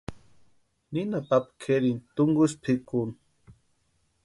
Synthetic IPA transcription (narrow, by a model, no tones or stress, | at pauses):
ninap̪apkʰeɾint̪ʊŋɡʊspʰikun